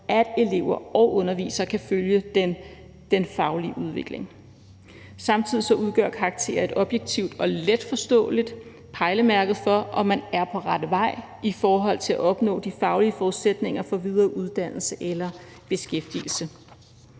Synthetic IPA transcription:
ʔæd̥e̝le̝ʊ̰ɐɒʊʔɔ̽nɐʋḭːsɐkʰæføljəd̥en | d̥enfɑ̈ʊliəuð̞ˠʋe̝ɡ̥le̝ŋ | sɑ̈mt͡sʰið̰ˠisɒ̽uð̞ˠɡ̥ɶɐkʰɑ̈ɑɡ̥̚t͡sʰe̝̰ːɐe̝d̥ɒ̽b̥jeɡ̥̚t͡sʰiʊd̥ɒ̽led̥fɒ̽sd̥ɔ̰̽ːlid̥ | pʰɑ̈ɪləmæɐɡ̥ð̞̩ˠfɒ̽ʔɒ̽mːænæɐpʰɒ̽ʁad̥əʋɑ̈ɪ̰ | ifɒːɦɒ̽l̰t͡sʰe̝læʔɒ̽b̥nɔ̰̽ːd̥ifɑ̈ʊliəfɒuðˠsed̥ne̝ŋɐfɒ̽ʋið̞ˠɐːʔuðˠd̥æn̰l̩səʔelɐ | b̥e̝sɡ̥efd̥ḭl̩sə

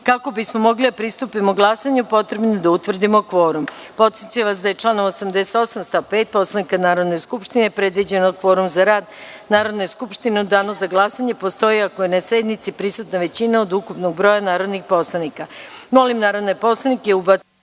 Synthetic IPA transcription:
kako̞bismomo̞ɡlid̪apɾist̪upimoɡlˠasaɲupo̞t̪ɾe̞bnod̪aut̪ʋr̩d̪imo̞kʋo̞ːɾumpo̞t̪sjet̪ujeʋas̬d̪aje̞t͡ʃlˠaːnomosamd̪ese̥t̪osamst̪ape̞ːt̪̚po̞slˠanikanaːɾo̞d̪ne̞skupʃt̪inepɾe̞d̪ʋid͡ʑenod̪kʋo̞ːɾumzaɾaːd̪naːɾo̞d̪neskupʃt̪inuud̪aːnozaɡlˠasaɲe̞po̞st̪o̞jiakojenase̞d̪nit̪sipɾisut̪naʋe̞t͡ɕinaod̪ukupnoɡ̚bɾo̞janaːɾo̞d̪nixpo̞slˠanikamo̞limnaːɾo̞d̪nepo̞slˠanikeubat̪

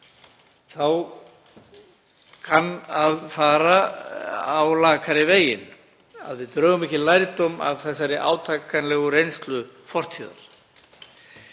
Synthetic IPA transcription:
θaw | kʰanaðfaːɾa | awlaːkʰaɾɪveːjɪn | a̰ðvɪðt̪ɾœːɣʏmɛhcɪlajɾt̪ɔma̰ðθɛsːaɾɪʔa̰ːwt̪ʰaːkanlɛɣʏɾejnst̪lʏfɔr̥t̪ʰiːða̰l

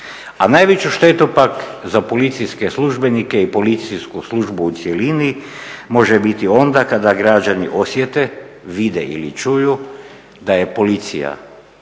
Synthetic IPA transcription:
anajʋet͡ɕuʃt̪e̞t̪upakzapo̞lit̪sijske̞sluʒbe̞nike̞ipo̞lit̪siskuslˠuʒbuːt̪sjelinimo̞ʒebit̪io̞nd̪akad̪aɡɾad͡ʑaniʔo̞sje̞t̪e̞ | ʋid̪eʔḭlit͡ʃuju | d̪aje̞po̞lit̪sḭja̰

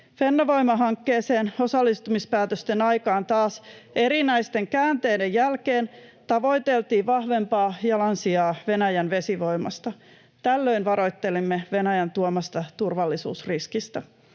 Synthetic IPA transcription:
fe̞nːɑʋo̞jmɑɦɑŋkːeːse̞ːno̞sɑlːist̪umispæːt̪øst̪enɑjkɑːnt̪ɑːse̞ɾinæjst̪e̞ŋkæːnt̪eːdejjælkeːnt̪ɑʋo̞jt̪e̞lt̪iːʋɑhʋe̞mpɑːjɑlɑnsiɑːʋe̞næjænʋe̞siʋo̞jmɑ̰st̪ɑ | t̪ælːøinʋɑɾo̞jt̪ːe̞limːeʋe̞næjænt̪uomɑst̪ɑt̪urʋɑlːisṵːsriskist̪ɑ

